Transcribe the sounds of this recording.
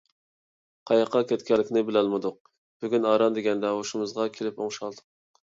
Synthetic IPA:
qʰɑjɑqʰːɑkʲɛt̪kʲɛlːɪkʲnɪbɪlɛlˠmɨd̪ʊq̚ | b̥yɡʲynɑːɾɑnd̪eɡʲɛnd̪ɛoʃumɨzʁɑkʲʰelɪpoŋʃɑlˠd̪ʊq̚

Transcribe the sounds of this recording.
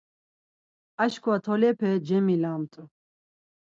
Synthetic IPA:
aʃkʰʼwat̪ʰɔlɛpʰɛd͡ʒɛmilamt̪ʼu

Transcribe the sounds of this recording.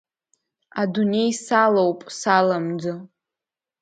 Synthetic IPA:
adune̞jsalowpʼsalamd͡zɨ

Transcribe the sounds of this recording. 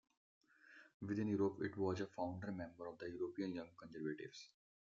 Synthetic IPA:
ʋɪd̪ɪ̃njuːɾopɪ̰ʈʋɔːzəfãʊ̃ɳɖəɾmɛ̃mbəɾɔʋd̪əjuːɾoːpiːə̃njʌ̃ŋɡkə̃nzəɾʋəʈɪ̰ʋz̥

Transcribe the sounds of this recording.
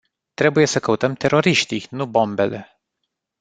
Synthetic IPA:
t̪ɾe̞buje̞səkəut̪əmt̪e̞ɾo̞ɾiʃt̪ijnubo̞mbe̞le̞

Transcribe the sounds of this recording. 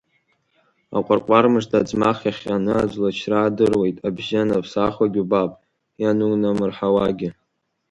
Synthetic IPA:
a̰qʷʼarqʷʼarmɨʐtʰad͡zmaχʲaχʲanɨad͡ʒʷlat͡ʃʰraːdɨrwe̞jtʼabʒanapʰsaχʷaɡʲubapʼ | janunamɨrħawaɡʲɪ

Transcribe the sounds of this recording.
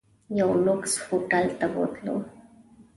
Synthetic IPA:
jawlʊkshoʈalt̪awo̰t̪lo̰

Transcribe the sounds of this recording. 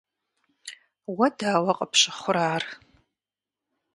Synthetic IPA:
wɐdaːwɐqʼɐpɕɪχʷʊɾaːr

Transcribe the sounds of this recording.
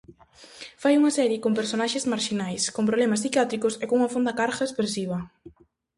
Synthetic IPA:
fajuŋɐsɛɾjɪkompeɾsonaʃezmaɾʃinajskompɾoβlɛmassikjat̪ɾikosekoŋuŋafond̪ɐkaɾxaespɾesiβɐ

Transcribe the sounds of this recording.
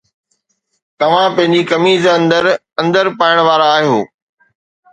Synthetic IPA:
t̪ɐʋ̤ãpɐ̃ɦɪ̃ɲd͡ʑikɐmiːzɐ̃nd̪əɾ | ɐ̃nd̪əɾpaːɪəɽ̃ʋaːɾaːɦijoː

